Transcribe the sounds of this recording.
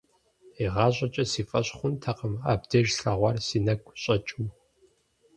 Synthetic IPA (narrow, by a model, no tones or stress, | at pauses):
iʁɑːɕʷʼɐt͡ʃʼɐsiːfʼɐɕχʷʊntʰɐqəmaːb̚dɐʒɬɐʁʷɑrsiːnɐkʷʼɕʼɐt͡ʃʼuw